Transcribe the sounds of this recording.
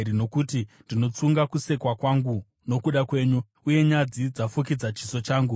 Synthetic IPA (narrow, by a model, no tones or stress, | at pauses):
ino̞kutindino̞t͡suŋɡakuse̞kwakwaŋɡu | no̞kuɗakwe̞ːɲu | uje̞ɲad͡zid͡zafuk̬id͡zat͡ʃiso̞t͡ʃaːŋɡu